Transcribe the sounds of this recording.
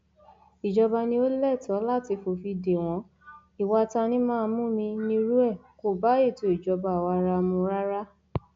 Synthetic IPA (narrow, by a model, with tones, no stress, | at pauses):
i˨d͡ʒɔ˧ba˧nĩ˧˦o˦lɛ˦˨tɔ̃˨˦la˦˨ti˧fo˨fi˧de˨w̃ɔ̃˧˦ | i˨wa˧tã˧nĩ˦mãː˦˧mũ˦˨mĩ˧nĩ˧ɾu˦ɛ˦˨ko˨ba˨˦e˦˨to˨i˨d͡ʒɔ˧ba˧˨wa˧ɾa˧mũ˧ɾa˦ɾa˦